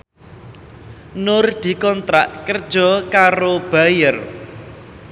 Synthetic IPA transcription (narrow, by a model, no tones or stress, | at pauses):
nʊrd̪̥i̤kɔnt̪ɾa̰ʔkərd̥ʒ̥ɔ̤kaɾob̥a̤jər